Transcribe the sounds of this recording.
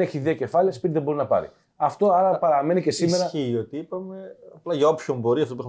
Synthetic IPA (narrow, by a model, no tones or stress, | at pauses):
e̞çiðiɐce̞fɐliɐspit̪iðebo̞ɾinɐpɐ̰ɾḭ | ɐft̪o̞ɐɾɐpɐɾɐme̞nice̞sime̞ɾɐio̞t̪iipɐme̞ɐplɐʝɐo̞pçombo̞ɾiɐft̪opue